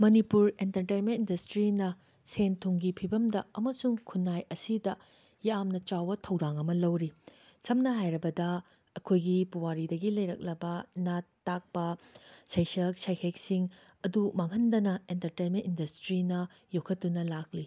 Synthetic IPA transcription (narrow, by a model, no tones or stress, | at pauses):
mɐnipuɾentɐɾtejnmentindɐstɾinɐ | sentʰuŋɡipʰibɐmdɐɐmɐsuŋkʰunːajɐsidɐ | jamnɐt͡ʃawbɐtʰɐwdaŋɐmɐlɐwɾi | sɐmnɐɦajɾɐbɐdɐ | ɐkʰojɡipuwaɾidɐɡilɐjɾɐk̚lɐbɐnatːak̚pɐsɐjsɐk̚sajkʰek̚siŋɐdumaŋɦɐndɐnɐentɐɾtejnmentindɐstɾinɐ | jokʰɐtːunɐlak̚li